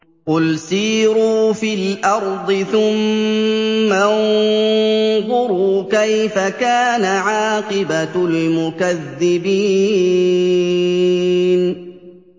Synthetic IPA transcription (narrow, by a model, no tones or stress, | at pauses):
qʊlsiːɾuːfilʔɑɾˤd̪ˤɨθʊmː | an | ðˤʊɾuːkajfakaːnaʕaːqɪbalmʊkaðːɪbiː | n